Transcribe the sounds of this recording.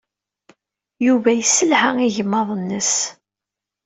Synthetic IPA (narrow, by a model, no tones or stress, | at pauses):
juvæjəsəlhaŋiʝəmːɑðˤənːəs